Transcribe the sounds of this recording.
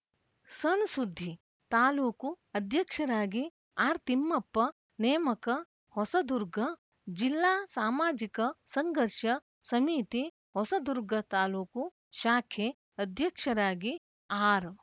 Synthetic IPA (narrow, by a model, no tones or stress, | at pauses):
sɐnsud̪ʱːi | t̪aːluːku | ɐd̪ʱjɐkʂɐɾaːɡi | aːɾt̪imːɐpːɐ | neːmɐkɐ | hɔsɐd̪uɾɡʱɐ | d͡ʒilːaːsaːmaːd͡ʒikɐsɐŋɡʱɐɾʃɐ | sɐmiːt̪i | hɔsɐd̪uɾɡʱɐt̪aːluːku | ʃaːkʰe | ɐd̪ʱjɐkʂɐɾaːɡi | aːɾ